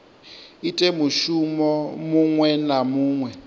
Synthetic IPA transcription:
itʼemuʃumɔmuŋwɛnamuːŋwɛ

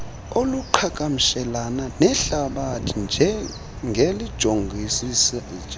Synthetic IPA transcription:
oluǃʰakʼam̩ʃɛlananɛɬaɓatʰind͡ʒʱɛ | ŋɡʱelid̥ʒ̥ʱoŋɡʱisis

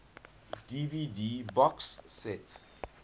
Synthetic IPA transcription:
d̥ividibɔksːɛt

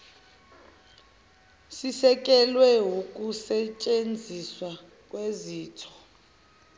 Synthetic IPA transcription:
sisɛk̬ʼɛlwɛɦukʼusɛt͡ʃʼend͡zʱiswa | kʼweziːtʰɔ̥

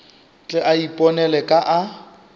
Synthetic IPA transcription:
t͡ɬʼɛʔaipʼɔnɛlɛkʼaʔa

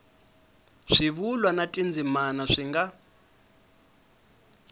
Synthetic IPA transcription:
ʂiβulwanatʼind͡zimanaʂiŋɡa

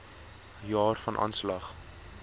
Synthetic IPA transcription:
jɑːrfɐnʔɑ̰ːnslɐχ

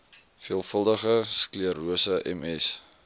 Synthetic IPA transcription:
fiəlˠfəlˠdəχəskliəɾuəsəʔɛ̰mɛs

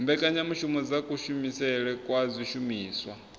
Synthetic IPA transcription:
mbɛkʼaɲamuʃumɔd͡zakʼuʃumisɛɺɛkʼwazʷiʃumiːswa

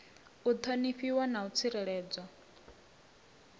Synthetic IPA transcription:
ut̪ʰoniɸiwanaut͡sʰiɾɛɺɛːd͡zwa

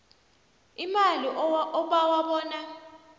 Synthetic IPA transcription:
imaliʔɔɓawaɓɔːna

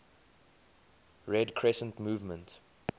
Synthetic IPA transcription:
ɹɛdkʰɹɛsə̃ntmuːvmə̃nt

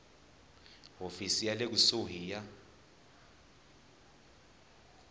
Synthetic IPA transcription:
ɦofisijalek̬usoɦiːja

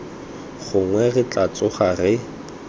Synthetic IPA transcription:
χʊŋwɛrɪt͡ɬʼat͡sʊχarɪ

